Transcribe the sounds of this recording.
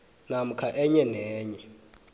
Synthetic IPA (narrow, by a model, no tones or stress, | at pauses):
nam̩kʰaʔɛɲɛnɛːɲɛ